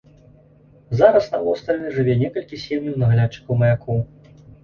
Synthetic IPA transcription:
zaɾɐsnavɔwst̪alʲnɨʐɨvʲɛnʲɛkɐlʲkʲisʲemjɐwnɐɣlʲatt͡ʂɨ̥kɐwmɐjakʰɔw

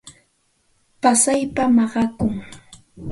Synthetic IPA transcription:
pasajpamɑɢɑkʊŋ

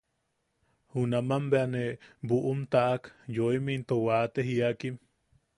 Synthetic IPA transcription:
hunamambeanebuʔumt̪aʔakjoimint̪owat̪eɦiakim

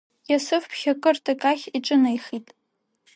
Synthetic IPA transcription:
jasɨfpʰχʲakʼɨrtʰʼakʼaχʲiʈ͡ʂʼɨnajχitʼ

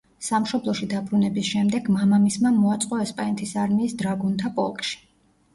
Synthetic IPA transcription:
samʃɔblˠɔʃid̪abɾunɛbisʃɛmd̪ɛɡmamamismanmɔat̪sʼqʼɔɛspʼanɛt̪ʰisaɾmiːsd̪ɾaɡunt̪ʰapʼɔ̰lˠkʼʃi̥

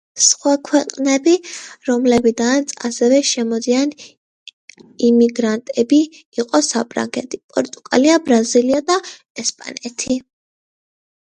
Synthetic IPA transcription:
sχwakʰwɛqʼnɛbiɾɔmlɛbid̪aasɛvɛʃɛmɔd̪ian | imiɡɾant̪ʼɛbiː | qʼɔsapʰʼɾa̰ŋɡɛ̰t̪ʰi̥pʼɔɾt̪ʼuɡ̥ʼa̰liabɾaziliad̪a | ɛspʼa̰nɛt̪ʰi

